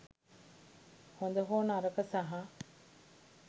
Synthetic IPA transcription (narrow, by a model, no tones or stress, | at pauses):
hond̪ɐɦoːnaɾɐkɐsaɦa